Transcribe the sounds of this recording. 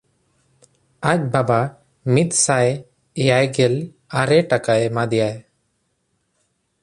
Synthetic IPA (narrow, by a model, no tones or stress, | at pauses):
ac̚baba | mit̪̚ˀsaj | ɛjajɡɛl | aɾɛʈakaɛmad̪ɛjaj